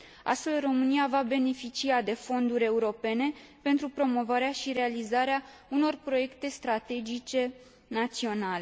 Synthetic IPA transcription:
a̰st̪fe̞lro̞mɨniavabe̞ne̞fit͡ʃiad̪e̞fo̞nd̪uɾʲe̞uɾo̞pe̞ne̞pe̞nt̪ɾupɾo̞mo̞vaɾeaʃiɾe̞alizaɾeauno̞rpɾo̞je̞kt̪e̞st̪ɾat̪e̞d͡ʒit͡ʃe̞ | nat̪sio̞nale

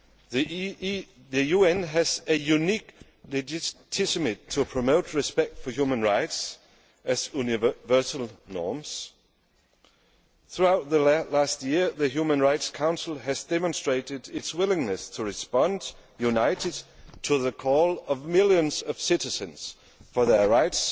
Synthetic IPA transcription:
ðɨjuɛ̃nɨzɨjʉnik | lɨd͡ʒtʰɪsɨmɪtʰəpʰɹ̥ɨmoʊt̚ʰɹɨspɛk̚tfəhjʉmə̃nɹaɪts | ɨzunɪvɜ˞sl̩ˠnɔ̰ɹmz̥ | θɹuaʊt̪̚ðəlæst̚jɪɹðɨɦjʉmə̃nɹaɪtskʰãʊ̃nsl̩ˠɨzdɛmə̃nstɹ̥eɪɾɪdɪtswɪlˠɪ̃ŋnɨstʰəɹɨspɑ̃njʉnaɪɾɨd̚tʰəðəkʰɔlˠʌvmɪlˠjɨ̃nz̥ʌv̥sɪɾɨzɨ̃nz̥ | fə˞ðə˞ɹaɪts

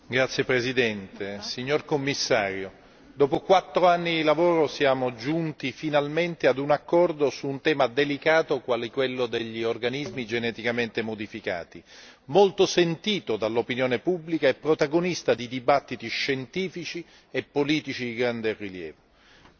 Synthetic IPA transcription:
ɡɾat̪sjepɾezid̪ɛnt̪esiɲːorkomːisːaːɾjo | d̪ɔːpokwat̪ːɾoanːid̪ilavoːɾosjaːmod͡ʒunt̪ifinalment̪ead̪unakːɔrd̪osuːnt̪ɛːmad̪elikaːt̪okwaːlikwelːod̪eʎːiorɡanizmid͡ʒenɛt̪ikament̪emod̪ifika̰ːt̪i | molt̪osent̪iːt̪od̪alːopinjoːnepubːlikaɛpːɾot̪aɡonist̪ad̪id̪ibat̪ːit̪iʃːent̪iːfit͡ʃi | epːoliːt̪it͡ʃid̪iɡɾand̪eriljɛ̰ːvo

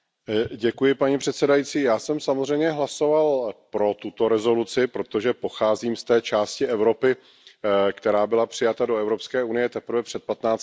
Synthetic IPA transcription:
ɟɛkujɪpaɲipr̥ɛt̪sɛdajiːt͡siːjaːsɛmsamozr̝ɛjmɲɛɦlaso̞valpɾo̞t̪ut̪o̞ɾɛzo̞lut͡sɪpɾo̞t̪o̞ʒɛpo̞xaːziːmst̪ɛːt͡ʃaːscɪɛvɾo̞pɪ | kt̪ɛɾaːbɪlapr̝̥ɪjat̪ado̞ɛvɾo̞pskɛːunɪjɛt̪ɛpɾ̩vɛpr̥ɛt̪̚pat̪naːt͡s

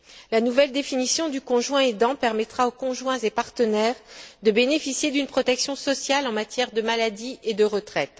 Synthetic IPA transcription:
lanuvɛld̪efinisjɔ̃d̪ykɔ̃ʒwɛ̃ed̪ɑ̃pɛʁmɛt̪χaokɔ̃ʒwɛ̃zepaʁt̪ənɛːʁd̪əbenefisjed̪ynpχɔt̪ɛksjɔ̃sɔsjalɑ̃mat̪jɛʁd̪əmalad̪ied̪əʁət̪χɛt̪

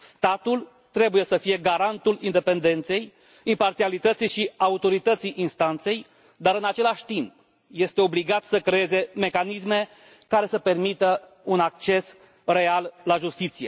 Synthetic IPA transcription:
st̪at̪ul | t̪ɾe̞buje̞səfije̞ɡaɾant̪ulind̪e̞pe̞nd̪e̞nt̪se̞j | impart̪sialit̪ət̪sijʃiaut̪o̞ɾit̪ət̪sijʔinst̪ant̪se̞j | d̪aɾɨnat͡ʃe̞laʃʲt̪imp | je̞st̪e̞o̞bliɡat̪səkɾee̞ze̞me̞kanisme̞ | kaɾe̞səpe̞rmit̪ə | unak̚t͡ʃe̞s | re̞allaʒust̪it̪sije̞

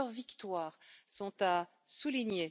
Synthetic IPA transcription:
əʁvikt̪waːʁsɔ̃t̪a | suliɲe

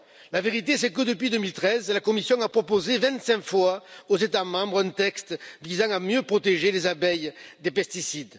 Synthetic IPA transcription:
laveʁit̪esɛkəd̪əpɥid̪əmilt̪χɛzlakɔmisjɔ̃apχɔpozevɛ̃nt̪sɛ̃ŋkfwaozet̪amɑ̃bʁɛ̃nt̪ɛkst̪vizɑ̃ŋamjøpχɔt̪eʒelezabɛjd̪epɛst̪isid̪

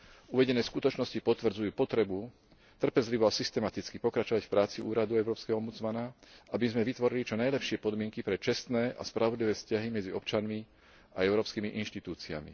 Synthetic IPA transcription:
uʋɛɟɛnɛːskut̪ɔt͡ʃnɔscipɔt̪ʋr̩d͡zujuːpɔt̪ɾɛbu | t̪r̩pɛzliʋɔasist̪ɛmat̪it͡skipɔkɾat͡ʃɔʋacfpɾaːt͡siʔuːɾad̪uɛʊɾɔːpskɛɦɔɔmbud͡zmanaʔabizmɛʋit̪ʋɔɾilit͡ʃɔnajlɛpʃɪɛpɔd̪mɪɛŋkipɾɛt͡ʃɛst̪nɛːʔa̰spɾaʋɔd̪liʋɛːfscaɦimɛd͡ziɔpt͡ʃanmi | aɛʊɾɔːpskimiʔinʃt̪it̪uːt͡sia̰mḭ

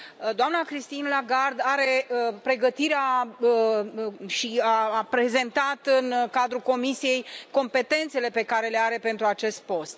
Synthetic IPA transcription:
d̪oamnakɾist̪inlaɡard̪aɾe̞əpɾe̞ɡət̪iɾea | ʃiaapɾe̞ze̞nt̪at̪ɨnkad̪ɾuko̞misije̞jko̞mpe̞t̪e̞nt̪se̞le̞pe̞kaɾe̞le̞aɾe̞pe̞nt̪ɾuat͡ʃe̞st̪̚po̞st̪

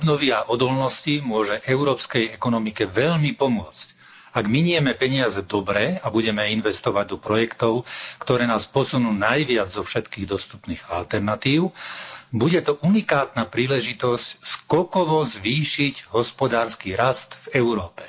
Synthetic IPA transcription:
ɔbnɔʋiaʔɔd̪ɔlnɔscimʊɔʒɛʔɛʊɾɔːpskɛjɛkɔnɔmikɛʋɛʎmipɔmʊɔt͡sc | aɡmiɲɪɛmɛpɛɲɪazɛd̪ɔbɾɛːabuɟɛmɛinʋɛst̪ɔʋaɟ̚d̪ɔpɾɔjɛkt̪ɔʊkt̪ɔɾɛːnaːspɔsunuːnajʋɪad͡zzɔfʃɛt̪kiːɣd̪ɔst̪upniːɣalt̪ɛɾnat̪iːʊbuɟɛt̪ɔʔunikaːt̪napɾiːlɛʒit̪ɔscskɔkɔʋɔzʋiːʃiɟɦɔspɔd̪aːɾskiɾast̪vɛʊɾɔːpɛ̥

